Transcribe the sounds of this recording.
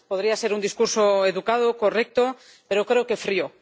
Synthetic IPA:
poð̞ɾiase̞ɾund̪iskuɾsoeðukað̞oko̞rek̚t̪o | pe̞ɾokɾeoke̞fɾio

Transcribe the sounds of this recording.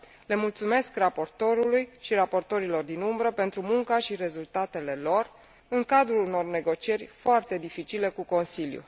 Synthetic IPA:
le̞mult̪sume̞skrapo̞rt̪o̞ɾulujʃiɾapo̞rt̪o̞ɾilo̞rd̪inumbɾəpe̞nt̪ɾumuŋkaʃiɾe̞zult̪at̪e̞le̞lo̞r | ɨŋkad̪ɾuluno̞rne̞ɡo̞t͡ʃie̞rʲfoart̪e̞d̪ifit͡ʃile̞kuko̞nsiljṵ

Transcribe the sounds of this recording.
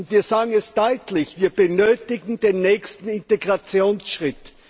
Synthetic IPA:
ntviːɐzaːɡŋ̩ɛsd̥ɔʏtlɪçv̥iːɐb̥ənøːtɪɡŋ̩deːnːɛːçstn̩ɪnteɡʁat͡sjoːnsʃʁ̥ɪt

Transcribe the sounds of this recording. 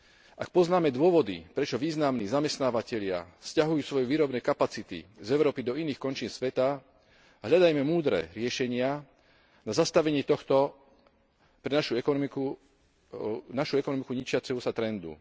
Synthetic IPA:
ʔak̚pɔznaːmɛd̪ʊɔʋɔd̪ḭpɾɛt͡ʃɔʋiːznamniːzamɛst̪naːʋacɛʎɪa̰fscaɦujuːsʋɔjɛʋiːɾɔbnɛjkapat͡sit̪ḭzɛʊɾɔːpid̪ɔiniːxkɔnt͡ʃiːnsʋɛt̪a | ɦʎad̪ajmɛmuːd̪ɾɛ̰ːɾɪɛʃɛɲɪa | nazast̪aʋɛɲɪɛt̪ɔxt̪ɔ | pɾɛnaʃuɛkɔmiku | naʃuɛkɔnɔmikuɲit͡ʃɪat͡sɛɦusat̪ɾɛnd̪ṵ

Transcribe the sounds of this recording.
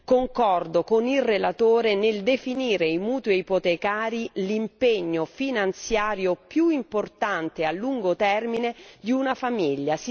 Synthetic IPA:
koŋkɔrd̪okonilrelat̪oːɾeneld̪efiniːɾeimuːt̪weipot̪ekaːɾilimpeɲːofinant̪sjaːɾjopjuimport̪ant̪ealːuŋɡot̪ɛrmined̪iunafamiʎːas

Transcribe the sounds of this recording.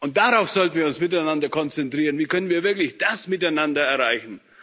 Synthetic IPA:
ʊnt̚d̥aʁaʊfz̥ɔltn̩viːɐʊnsmɪtaɪnandɐkʰɔnt͡sɛntʁ̥iːʁənviːkʰœnənviːɐvɪɐklɪçd̥asmɪtaɪnandɐɛɐʁaɪçn̩

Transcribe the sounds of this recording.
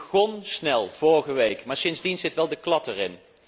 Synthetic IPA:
ɣɔnsnɛlˠv̥ɔɹχəʋejkmaːɹsɪnzdinzɪtʋɛlˠdəklɑtɛrɪn

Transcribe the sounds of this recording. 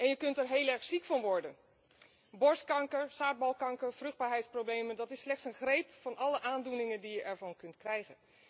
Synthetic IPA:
ʔɛnjəkɵntɛɹɦeːlˠɛɹχsikfɑnʋɔɹdən | bɔɹskɑŋkəɹsaːt̚bɑlˠkɑŋkəɹv̥rɵχd̚baːɹɦɛjtsprowblejməndɑtɪslɛχtsənχrejpfɑnʔɑləʔaːndunɪŋəndijəʔɛɹvɑnkɵntkrɛjɣən

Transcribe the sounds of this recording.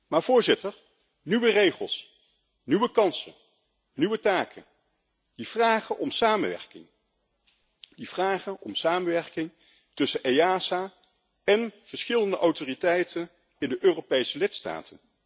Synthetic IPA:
maːɹv̥ʊːɹzɪtəɹ | nyʋərejχə̰lˠs | nyʋəkɑnsə̰n | nyʋətaːkʰən | div̥raːχənʔɔmsaːməʋɛ̰ɹkɪ̰ŋ | div̥raːχənʔɔ̰msaːmənʋɛɹkɪŋ | tɵsənʔejaːsa | ɛnv̥əɹsχɪləndəʔɑwtoːritɛjtən | ɪndəʔøːropejsəlɪtsta̰ːtʰən

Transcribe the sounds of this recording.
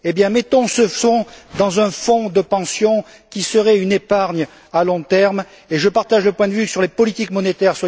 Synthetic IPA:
ebjɛ̃mɛt̪ɔ̃səfɔ̃d̪ɑ̃zɛ̃fɔ̃d̪əpɑ̃sjɔ̃ | kʲisəʁɛynepaʁɲ | alɔ̃t̪ɛʁm | eʒəpaʁt̪aʒləpwɛ̃d̪əvysyʁlepɔlit̪ikmɔnet̪ɛʁswa

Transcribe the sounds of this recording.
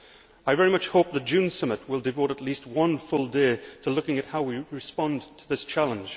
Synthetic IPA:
aɪvɛɹimʌt͡ʃhoʊp̚ðəd̥ʒ̥ʉ̃nsʌmət̚wɪlˠdɨvoʊɾətˡlist̚wʌ̃nfʊlˠdeɪtʰəlʊkɪ̃ŋɨthaʊwiɹɪspɒ̃ntʰəðɪst͡ʃʰalˠə̃nd͡ʒ̥

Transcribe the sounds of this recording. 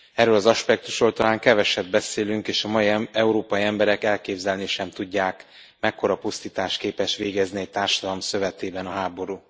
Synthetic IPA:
ɛrøːlɒzɒʃpɛk̚t̪u̥ʃrolt̪ɒlaːŋkɛvɛʃɛd̪̚bɛseːlyŋkeːʃɒmɒiɛuɾoːpɒjiɛmbɛɾɛkɛlkeːbzɛlniʃɛmt̪uɟːaːk | mɛkːo̞ɾɒpust̪iːt̪aːʃt̪keːpɛʃʋeːɡɛzniɛc̚t̪aːrʃɒd̪ɒlomsø̞vɛt̪eːbɛnɒɦaːbo̞ɾuː

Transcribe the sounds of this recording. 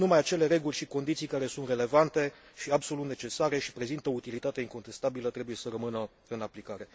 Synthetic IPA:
numajat͡ʃe̞le̞ɾe̞ɡulʲʃiko̞nd̪it̪sijkaɾe̞sunt̪re̞le̞vant̪e̞ʃiabso̞lut̪ne̞t͡ʃe̞saɾe̞ʃi̥pɾe̞zint̪əout̪ilit̪at̪e̞iŋko̞nt̪e̞st̪abilət̪ɾe̞buje̞sərəmɨnə | ɨnaplikaɾe̞

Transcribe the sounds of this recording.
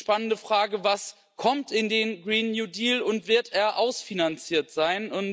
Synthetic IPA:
ʃpanəndəfʁ̥aːɡəvas | kʰɔmtɪndeːnɡʁiːnjuːdiːlʊntv̥ɪɐteːɐʔaʊsfinant͡siːɐtz̥aɪnʊn

